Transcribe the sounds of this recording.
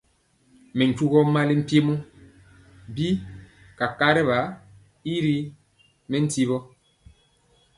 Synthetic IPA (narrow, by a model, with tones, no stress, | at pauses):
mɛ˨ɲ̩˨t͡ʃu˦ɣɔ˦ma˦li˦m̩˦pe˦mu˦ | bi˦ | ka˨ka˦ɾɛ˦βa˨˦ | i˦ɾi˦ | mɛ˦n̩˦ti˦βɔ˦